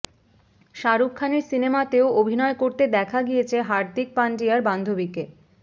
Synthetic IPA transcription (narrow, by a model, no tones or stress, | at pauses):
ʃaɾukkʰːaneɾsinemat̪eoobʱinɔekoɾt̪ed̪ɛkʰaɡijet͡ɕʰeɦaɾd̪ik̚paɳɖiaɾband̪ʱobike